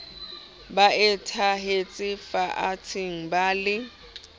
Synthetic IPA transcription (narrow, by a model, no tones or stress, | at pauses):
baɛtʰaɦet͡sʼɪfaʔat͡sʰɪŋ̩baːlɪ